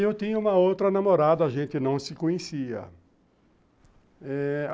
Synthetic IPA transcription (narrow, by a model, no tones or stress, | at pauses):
ewt̪ĩɲɐũmɐowt̪ɾɐnamoɾad̪ɐːʒẽnt̪ɪnɐ̃w̃sɪkõɲesiɐ̰ | ɛ